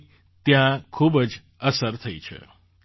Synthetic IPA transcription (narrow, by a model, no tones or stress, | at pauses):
t̪jãkʰubəd͡ʒ | əsəɾt̪ʰəit͡ʃʰḛ